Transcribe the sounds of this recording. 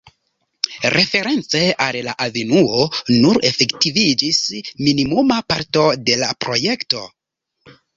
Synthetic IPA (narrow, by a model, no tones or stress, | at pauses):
ɾʔe̞fe̞ɾe̞nt͡se̞ʔallaʔavenuo̞nuɾe̞fe̞ktivid͡ʒisminimumapaɾto̞de̞lapɾo̞je̞kto̞